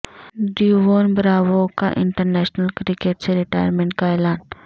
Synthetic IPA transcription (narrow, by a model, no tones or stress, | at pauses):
ɖiuʋoːnbɾaːʋoka̰ʔɪ̃ɳʈəɾnɛːʃnəlkɾɪkeːʈseɾɪʈaːjəɾmẽɳʈ̚kaɛːlaːn